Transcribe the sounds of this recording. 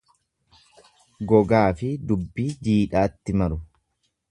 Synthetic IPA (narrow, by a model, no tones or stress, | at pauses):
ɡɔɡaːfɪd̪ʊbːid͡ʒiːᶑaːt̪ːɪmɐɾʊ